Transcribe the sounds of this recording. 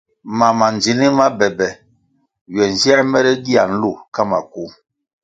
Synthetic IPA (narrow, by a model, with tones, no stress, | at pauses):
ma˨ma˨nd͡ʒi˨˦ni˦ma˦bɛ˨bɛ˨ | ɥɛ˨n˨zi˦ɛ˦mɛ˦ɾɛ˦ɡi˦a̰˨n̩˦lu˦˨ka˦ma˨ku˦